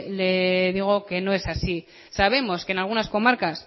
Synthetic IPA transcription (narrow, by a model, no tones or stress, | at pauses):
le̞ðiɣ̞o̞ke̞no̞e̞sasi | saβ̞e̞mo̞skeːnalɣ̞unasko̞maɾkas